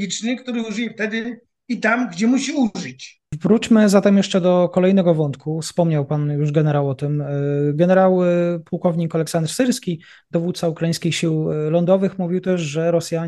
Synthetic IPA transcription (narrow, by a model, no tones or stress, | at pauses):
ɡʲit͡ʂnɘkt̪uɾɘuʐɘjɛft̪ɛd̪ɪ | it̪amɡd͡ʑɛmuɕiuʐɨt͡ɕ | vɾut͡ɕmɘzat̪ɛmjɛʂt͡ʂɛd̪ɔkɔlɛjnɛɡɔvɔnt̪kufspɔmɲawpanjuʐɡɛnɛɾawɔt̪ɘmɡɛnɛɾawpuwkɔvɲikalɛksand̪ɾsɘɾskʲi | d̪̥ɔvut̪̚saukɾaĩskʲixɕiwlɔnd̪ɔvɘxmuvʲiwt̪ɛʐʐɛɾɔsʲja